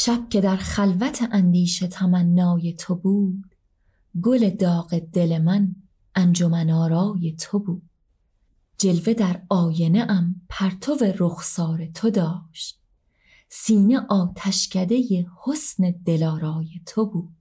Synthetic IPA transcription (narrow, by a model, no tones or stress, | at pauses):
ʃæb̥̚cʰe̞d̪æɾχælvæt̪ʰeʔænd̪iːʃe̞t̪ʰæmænːɒːje̞t̪ʰo̞buːd̪̥ | ɡo̞le̞d̪ɒːɣe̞d̪̥e̞le̞mæn | ʔænd͡ʒo̞mænɒːɾɒːje̞t̪ʰobuːd̪̥̚ | d͡ʒe̞lve̞d̪æɾɒːje̞ne̞ʔæmpʰæɾt̪ʰo̞ve̞ɾoxsɒːɾe̞t̪ʰo̞d̪ɒːʃt̪̚ | siːne̞ʔɒːt̪ʰæʃcʰæd̪e̞je̞ho̞sne̞d̪̥e̞lɒːɾɒːje̞t̪ʰo̞buːd̪̥